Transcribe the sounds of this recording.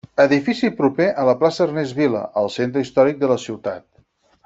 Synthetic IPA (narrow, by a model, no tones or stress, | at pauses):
əðifisipɾupeʔələplasəːrnezβilə̰ʔəlˠsent̪ɾəist̪ɔɾik̚d̪ələsiwt̪at̪̚